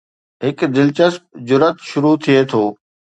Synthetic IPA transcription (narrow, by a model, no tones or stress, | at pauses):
ɦɪkd̪ɪlt͡ɕəsp̚d͡ʑʊɾət̪ʃʊɾut̪ʰiet̪ʰoː